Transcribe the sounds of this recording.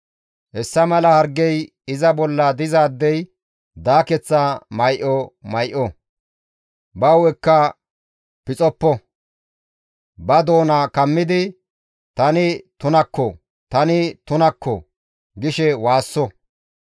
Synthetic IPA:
hɛsːɐmɐlɐhɐɾɡːɛj | ɪzɐbɔlːɐd̪ɪzaːd̪ːɛj | d̪aːkɛt͡sːɐmɐjʔɔmɐjʔɔ | bɐwɛkːɐ | pɪt͡sʼɔpːɔ | bɐd̪o̞ːnɐkɐmːɪd̪ɪ | t̪ɐnɪt̪ʊnɐkːɔ | t̪ɐnɪt̪ʊnɐkːɔ̰ | ɡɪʃɛwaːsːɔ

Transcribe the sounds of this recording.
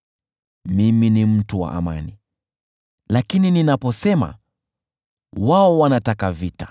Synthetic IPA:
miminim̩tuwa̰ʔa̰ma̰ni | lakinininapɔsɛma̰ | waɔwanatakavitḁ

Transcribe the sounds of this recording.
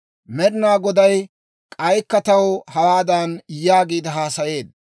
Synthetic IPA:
mɛɾɪnaːɡɔd̪ɐj | kʼɐjkːɐt̪ɐwhɐwaːd̪ɐnjaːɡiːd̪ɪɦaːsɐje̞ːd̪

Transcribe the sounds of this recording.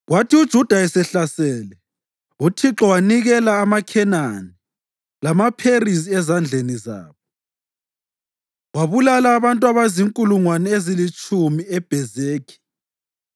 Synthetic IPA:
ɣwatʰiud̥ʒ̥ʱud̥ʱaɛsɛɬasɛːlɛ | utʰiǁɔwaniɣɛlaːmakʰɛnani | lamapʰerisiɛzand͡ɮʱeniza̰ːβɔ | ɣwaβulalaːβantʼwaβaziŋkʼuluŋwanɛezilit͡ʃʼumiɛb̥ʱɛzeːkʰi̥

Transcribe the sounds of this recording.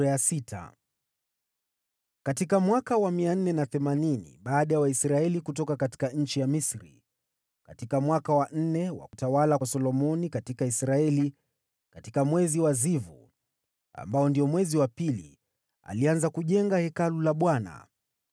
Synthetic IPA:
ajasitʰa̰ | katikamwakawamian̩nɛnaθɛmaninḭɓaːɗajawaisɾaɛlikutɔkakati̥kaɲ̩t͡ʃijamisɾḭ | katikamwakawan̩nɛwa̰kutawalawsɔlɔmɔnikatikaisɾaɛli | katikamwɛziwazivṵ | a̰mbaɔndijɔmwɛziwapilḭ | a̰lianzakuʄɛŋɡahɛkalulaɓwana̰

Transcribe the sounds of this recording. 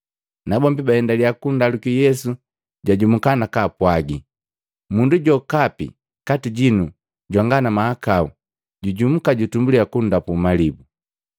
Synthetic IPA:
nabɔmbibahɛndaliakundalukijɛsu | ɟaɟum̩kanakaːpwaɡi | munduɟɔkapḭ | katiɟinu | ɟwaŋɡanamahakau | ɟuɟum̩kaɟutumbuliakun̩dapumalibu

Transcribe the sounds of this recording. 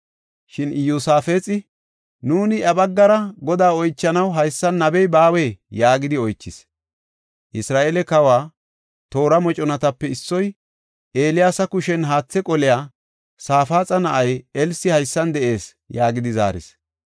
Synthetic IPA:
ʃɪnɪjuːsaːfeːt͡sʼɪ | nuːnɪʔɐbɐɡːɐɾɐɡɔd̪aːɔjt͡ʃːɐnɐwɦɐjsːɐnːɐbɛjbaːweːjaːɡɪd̪ɪɔjt͡ʃːɪs | ʔɪsɾaːʔeːlɛkɐwaː | t̪o̞ːɾɐmɔt͡ʃʼɔnɐt̪ɐpːɛɪsːɔj | ʔe̞ːlɪjaːsɐkʊʃɛnɦaːt͡sːɛkʼɔlɪjaː | saːfaːt͡sʼɐnɐʔɐjɛlsɪhɐjsːɐnd̪ɛʔe̞ːs | jaːɡɪd̪ɪza̰ːɾɪ̰s

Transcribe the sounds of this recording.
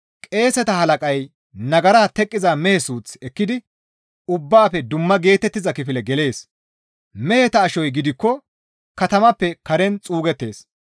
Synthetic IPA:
kʼe̞ːsɛt̪ɐhɐlɐkʼɐj | nɐɡɐɾaːt̪ɛkʼːɪzamɛhɛsuːt͡sɛkːɪd̪ɪ | ʊbːaːfɛd̪ʊmːɐɡe̞ːt̪ɛt̪ːɪzɐkɪfɪlɛɡɛle̞ːs | mɛhɛt̪ɐːʃɔjɡɪd̪ɪkːɔ | kɐt̪ɐmɐpːɛkɐɾɛnt͡sʼuːɡɛt̪ːe̞ːs

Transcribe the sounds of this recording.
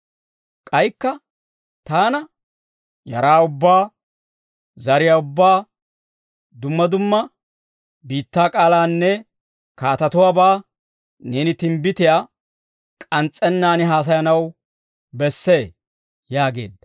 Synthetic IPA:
kʼɐjkːɐ | t̪aːnɐ | jɐɾaːʊbːaː | zɐɾɪjaːʊbːaː | d̪ʊmːɐd̪ʊmːɐ | biːt̪ːaːkʼaːlaːnːɛ | kaːt̪ɐt̪ʊwaːbaː | neːnɪt̪ɪmbɪt̪ɪjaː | kʼɐnt͡sʼːɛnːaːnɪɦaːs̬ɐjɐnɐw | bɛsːe̞ː | jaːɡe̞̰ːd̪ːɐ̥

